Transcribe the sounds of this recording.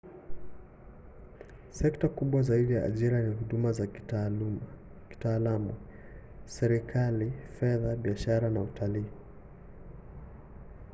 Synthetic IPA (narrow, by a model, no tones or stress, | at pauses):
sɛktakuɓwazaiɗija̰ːʄiɾanihuɗumazai̥talum | ki̥taːlamu | sɛɾikʰalifɛðaɓiaʃaɾanautʰaliː